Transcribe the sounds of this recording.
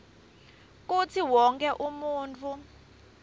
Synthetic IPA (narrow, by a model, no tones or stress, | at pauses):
k̬ut͡sʰiwɔŋkɛʔumuːnt͡fʰu